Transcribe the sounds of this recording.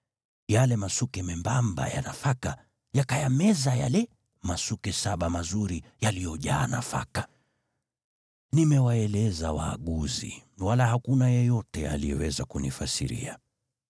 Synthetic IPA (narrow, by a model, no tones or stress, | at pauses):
jalɛmasukɛmɛmbamba̰ja̰nafaka | jakajamɛzaja̰lɛ | masukɛsaɓamazuɾijalijɔʄa̰ːna̰fa̰ka | nimɛwaɛlɛzawa̰ːɠuzḭwalahakunajɛjɔtɛa̰lijɛwɛzakunifasḭɾḭa